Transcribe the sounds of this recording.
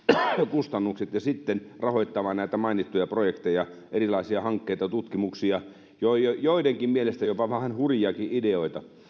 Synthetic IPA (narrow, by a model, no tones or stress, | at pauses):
kust̪ɑnːuksit̪jɑsit̪ːenrɑhoit̪ːɑmɑːnnæˑit̪æmɑinit̪ːujɑprojekt̪ejɑʔerilɑisiɑhɑŋkːeit̪ɑt̪ut̪kimuksiɑ | joojoideŋkimmielest̪æjopɑʋæhːnhurijɑkiʔideoit̪ɑ